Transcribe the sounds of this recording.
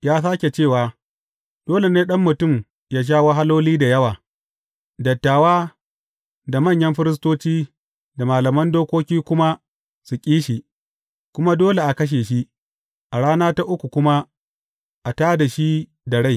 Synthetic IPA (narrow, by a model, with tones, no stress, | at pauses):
jaː˦s̬aː˦kʲe˨t͡ʃeː˦˨waː˨ | d̥oː˦le˨neː˦ɗɐ˦mːʊ˨tʊ˦˨m | jaː˦ʃ̬aː˦˨wa˦ɦa˦loː˦liː˦da˨jɐ˦waː˨ | dɐ˨tːaː˨waː˦ | da˨mɐ˦˨ɲjɐ˦mɸɪ˦ɾɪ˦s̬toː˦t͡ʃiː˦ | da˨maː˨lɐ˨mɐ˦ndoː˦kʷoː˦kʲiː˦kʷʊ˦ma˦ | su˨kʲʼiː˦ʃi˨ | kʷʊ˦ma˦doː˦le˨ʔa˨kɐ˦ʃ̬eː˨ʃi˦ | ʔa˨ɽaː˦naː˦ta˦ʔʊ˦kʷu˨kʷʊ˦ma˦ | ʔa˨taː˦da˨ʃi˦ | da˨ɽa˦˨